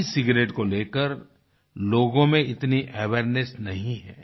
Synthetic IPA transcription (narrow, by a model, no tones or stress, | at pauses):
sɪɡɾeːʈkoleːkəɾ | loːɡõmẽɪt̪niʔɛʋeːɾnesnɐɦĩɦɛː